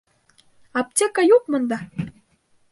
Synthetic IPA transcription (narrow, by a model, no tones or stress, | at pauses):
ɑp̚t̪ʲekɑjuk̚mə̆nd̪ɑ